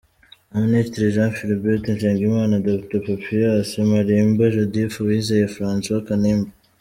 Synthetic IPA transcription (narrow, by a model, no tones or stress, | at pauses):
aministɾiʒãːfilibetenʃeːŋɡimaːnadopitopapijasimaɾimbaʒodifuwizejefɾãːnswakaniːmba